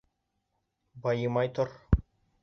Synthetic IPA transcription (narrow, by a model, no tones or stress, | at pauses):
bɑjɤmɑjt̪oɾ